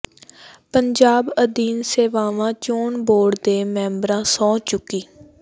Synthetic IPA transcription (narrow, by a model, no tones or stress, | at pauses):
pəɲd͡ʒaːbəd̪iːnseːʋaːʋãːt͡ʃoːɳboːɖd̪eːmɛ̃ːmbɾãːsɔ̃ːt͡ʃʊkːiː